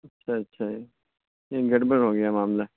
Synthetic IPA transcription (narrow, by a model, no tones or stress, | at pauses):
ɐtːʃʰaɐtːʃʰad͡ʒi | jeːɡɐɽbəɽɦoːɡɐjaːmaːmla